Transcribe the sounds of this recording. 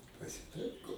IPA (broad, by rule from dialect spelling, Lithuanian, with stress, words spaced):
pɐsʲɪˈtɐɪkoː